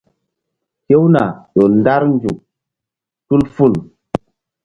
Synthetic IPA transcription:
ke˦wna˨jo˨nda˦ɾnd͡ʒu˨k̚ | tu˦lfu˦˨l

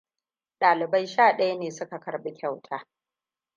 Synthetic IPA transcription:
ɗaː˨lɪ˨ba˦jʃaː˦˨ɗɐ˦ja˦neː˨sʊ˦ka˨kɐ˨ɾɓɪ˦kʲa˦˨wtʰaː˨˦

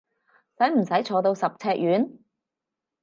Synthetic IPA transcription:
sɐ˨˥jm̩˨˩sɐ˨˥jt͡ʃʰɔː˨˧t̪o˧wsɐ˨p̚t͡sʰɛː˧k̚jyː˨˥n

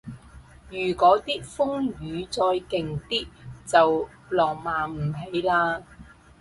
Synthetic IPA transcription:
jyː˨˩kʷɔː˨˥t̪iː˥k̚fʊ˥ŋjyː˨˧t͡sɔː˧jkɪ˨ŋt̪iː˥k̚t͡sɐ˨w | lɔː˨˩ŋmaː˨˧m̩˨˩ɦe˨˧jlaː˧

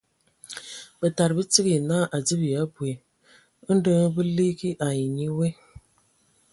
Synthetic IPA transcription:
b̥ə˨ta˨ɾbə˦t͡si˦ɣi˨na˦˨ʔa˨d͡zi˦bi˨ja˨˦bwe˨ | ə˦n˦də˦ŋ˦bə˦li˦ki˦ʔa˨ji˨ɲi˦we˦

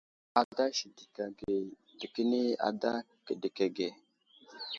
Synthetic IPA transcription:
a˨da˦ʃi˨di˨ka˨ɡe˨ | d̥i˨kə˦ni˦a̰˨da˦ | kə˨di˨ke˨ɡe˨

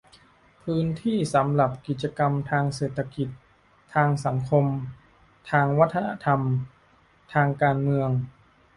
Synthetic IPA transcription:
pʰɯː˦˥nt̪ʰiː˥˩sa˩˦mɾa˨˩p̚ki˨˩t̪̚t͡ɕa˧ka˧mt̪ʰaː˧ŋseː˨˩t̪ʰːa˧ki˨˩t̪̚ʰː | aː˧ŋsa˩˦ŋkʰo˧m | t̪ʰaː˧ŋwa˦˥t̪ʰːa˧na̰˧˥t̪ʰa˧m | t̪ʰaː˧ŋkaː˧nmɯ˧əŋ

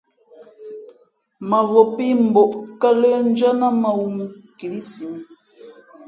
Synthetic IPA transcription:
ma˨ɣo˨pi˦m̩˨bo˨ʔkə˦lə˦n˦d͡ʒa˦na˦ma˨wu˦˨mu˨ki˨li˦si˨m˦

